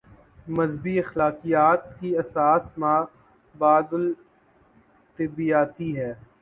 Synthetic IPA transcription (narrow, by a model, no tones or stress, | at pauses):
mɐzbiɐxlaːqijaːt̪kiɐsaːsmãː | baːd̪ʊl | t̪ɪbijaːt̪iɦɛː